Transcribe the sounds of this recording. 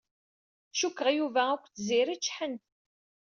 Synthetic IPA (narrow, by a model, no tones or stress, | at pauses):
ʃukːəʁjuvæækʷːθziɾit͡ʃːħənt̪